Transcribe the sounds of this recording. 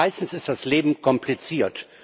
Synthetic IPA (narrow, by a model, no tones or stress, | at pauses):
aɪstn̩sɪst̚d̥asleːbm̩kʰɔmplit͡siːɐt